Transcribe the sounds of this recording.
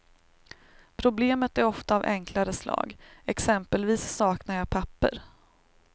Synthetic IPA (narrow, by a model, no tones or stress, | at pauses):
pʰɾʊbleːmət̪æɾɔft̪aːvʔɛ̰ŋkʰlaɾəslɑ̰ːɡɛksɛmpəlviːsːɑːknaɾjɑːpʰapːə̰ɾ